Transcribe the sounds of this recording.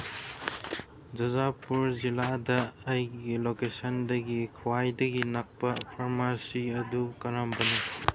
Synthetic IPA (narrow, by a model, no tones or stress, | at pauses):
d͡ʒɐzapuɾziladɐːjɡilokesɐndɐɡikʰɐwajdɐɡinak̚pɐpʰaɾmasiɐdukɐɾambɐni